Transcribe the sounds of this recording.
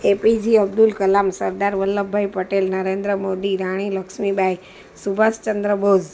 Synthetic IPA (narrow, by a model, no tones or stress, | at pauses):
epid͡ʒiəb̚d̪ulkəlaːmsəɾd̪aɾʋəlːəbʱaipəʈelnəɾẽːnd̪ɾəmod̪iɾaːɽ̃iləkʃmibʱai | subʱast͡ʃə̃nd̪ɾəbʱod͡ʒ